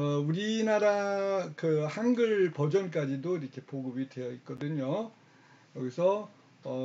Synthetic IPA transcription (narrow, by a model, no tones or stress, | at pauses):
uɾinaɾakɯhanɡɯɭpʌd͡ʑʌnk͈ad͡ʑidoiɾʌkʰe̞poɡɯbidwe̞jʌit̚k͈ʌdɯɲo | jʌɡisʰʌ | ʌ